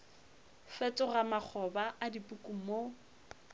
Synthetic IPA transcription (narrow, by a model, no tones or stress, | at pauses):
fɛtʼɔɣamak͡xʰɔbaʔadipʼukʼumo